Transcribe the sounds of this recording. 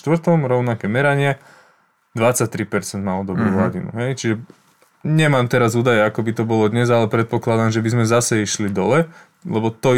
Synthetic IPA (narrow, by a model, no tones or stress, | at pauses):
t̪ʋr̩t̪ɔmɾɔʊnakɛːmɛɾaɲɪɛ | d̪ʋat͡sac̚t̪ɾipɛɾt͡sɛnd̪naɔd̪ɔbɾuːɦlaɟinṵɦɛjt͡ʃiʒɛ | ɲɛmaːmt̪ɛɾazuːd̪ajɛakɔbit̪ɔbɔlɔd̪ɲɛzalɛpɾɛt̪̚pɔklad̪amʒɛbizmɛzasɛiʃlid̪ɔlɛ | lɛbɔt̪ɔ